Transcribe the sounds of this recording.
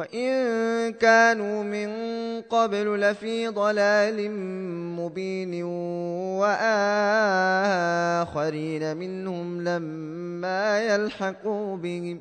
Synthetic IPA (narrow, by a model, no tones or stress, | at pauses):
waʔɪŋkaːnuːmɪnqɑbllafiːd̪ˤɑlaːlɪmʊbiːnɪ | waʔaː | xaɾiːnamɪnhʊmlamː | aːjalħɑqubɪh